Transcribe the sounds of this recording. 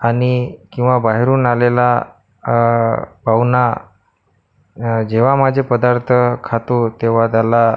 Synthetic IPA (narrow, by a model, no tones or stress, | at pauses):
aɽ̃ikĩw̃ʋabaɦeɾuːnalela | bawna | d͡ʑeʋamad͡ʑʱepəd̪aɾt̪ʰəkʰat̪ot̪eʋ̤at̪ala